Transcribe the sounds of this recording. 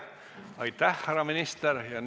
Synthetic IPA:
ɑjt̪ːæhːæɾɑminist̪eɾjɑn

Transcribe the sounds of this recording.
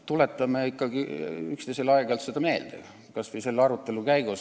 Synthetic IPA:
t̪ulet̪ːˑɑmeikːɑɡ̥iykst̪ejselɑeɡ̥ɑlt̪sed̪̥ɑme̞ːld̪̥ḛ | kɑsvejse̞lːɑɾut̪ˑːe̞lukæjɡ̥us

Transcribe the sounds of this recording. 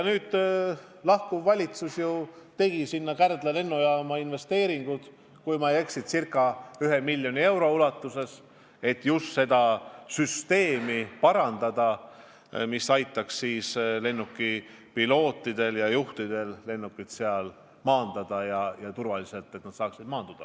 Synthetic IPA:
jnyːd̪̥ | lɑhkuvːɑlʲit̪susjut̪e̞ɡ̥isinːɑkærd̪̥lele̞nːojɑːmɑinve̞st̪e̞ːɾiŋɡ̥ud̪̥ | kujmɑjeksit̪sirkːˑɑyɦe̞milʲːjo̞nie̞wɾo̞ulɑt̪ːˑuse̞s | e̞t̪ːˑjust̪se̞d̪ɑsyst̪e̞ːmipɑɾɑnd̪̥ɑd̪̥ɑ | misɑjt̪ːˑɑksːiːsle̞nːukːi | pilo̞ːt̪ːˑid̪̥e̞ljɑjuht̪id̪̥e̞lle̞nːukːˑit̪seɑl | mɑːnd̪̥ɑd̪̥ɑjɑjɑt̪urvɑlise̞lt̪ːˑe̞t̪ːnɑt̪sɑːksid̪̥mɑːnd̪̥ud̥̪ɑ̰

